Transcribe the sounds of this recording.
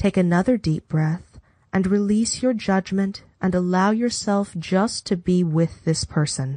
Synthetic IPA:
tʰeɪkɨnʌðə˞dip̚b̥ɹɛθ | ʔɨ̃nɹɪlisjə˞d͡ʒʌd͡ʒmɨ̃nt | ʔɨ̃nəlaʊjə˞sɛlˠfd͡ʒʌstʰɨbiwɪðɪspʰɜ˞sɨ̃n

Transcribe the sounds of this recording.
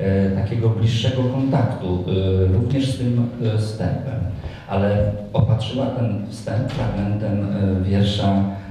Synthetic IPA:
t̪akʲɛɡɔblʲiʂːɛɡɔkɔnt̪akt̪uɾuvɲɛʂst̪ɘmst̪ɛmpɛ̰mʔalɛɔpatʂɘwat̪ɛnfst̪ɛmpfaɡmɛnt̪ɛmvʲjɛɾʂa

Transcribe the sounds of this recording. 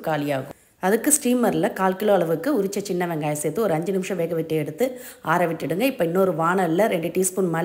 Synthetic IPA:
kaːlɪjaːɣɯ | ɐðɯkːɯsʈiːmɐɾɪlɐkaːlkɪloːɐlɐʋɯkːɯʊɾɪt͡ʃːɐt͡ʃɪnːɐʋɛŋɡaːjɐseɐt̪ːɯɔɾɯɐɲd͡ʒɯnɪmɪʂɐ̃ʋeːɣɐʋɪʈːeɛɽɯt̪ːɯaːɾɐʋɪʈːɪɽɯŋɡɐɪpːɐɪnːoːɾɯʋaːɳɐɾɪlɐɾɛɳɖɯʈiːspunmɐl

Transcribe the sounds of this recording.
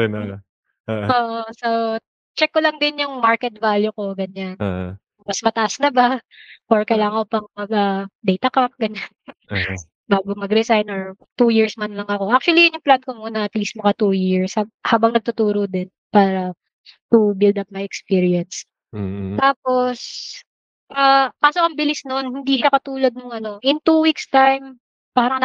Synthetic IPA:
nɐ | ʔʔoːʔoso | t͡ʃɛkːolɐŋd̪ɪnjʊŋmaɹkɛt̪̚valjʊko̞ɡɐɲan | mɐsmɐt̪ɐʔasnɐbɐʔoɹkɐjlaːŋɐopɐŋmɐɡɐd̪ɛjt̪ɐkapɡɐɲan | baːɡomɐɡɾɛsajnoɹ | t̪uːjiɹsmanlɐŋɐko̞ʔak̚t͡ʃuɐlijʊnjʊŋplan̚komunɐɐt̪liːst̪̚mɐkɐt̪uːjɪɹshahaːbɐŋnɐɡ̚t̪ʊt̪uːɾod̪ɛn | paːɾɐ | t̪ʊbɪld̪ɐp̚mɐjɛkspiɹɪɐns | t̪aːp̚o̞s | ʔaːkaːsoʔɐŋbɪlɪsnonhɪnd̪iʃakɐt̪uːlɐd̪̚nʊŋʔɐno̞ʔɪnt̪uːwikst̪ajm | paːɾɐŋnɐ

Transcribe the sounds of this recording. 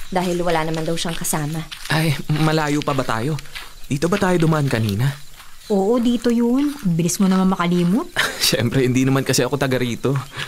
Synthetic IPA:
d̪aːhɪlwɐlaːnɐmand̪ɐwʃaŋkɐsaːmɐʔɐjmɐlaːjopɐbɐt̪a̰ːjo̞ | d̪iːt̪o̞bɐt̪aːjo̞d̪ʊmaʔankɐniːnɐ | ʔoːʔod̪iːt̪o̞jʊnbɪlɪsmonɐmanmɐkɐliːmʊt̪̚ʃɛmpɾɛhɪnd̪inɐmankɐsɛɐkot̪ɐɡɐɾiːt̪o̞

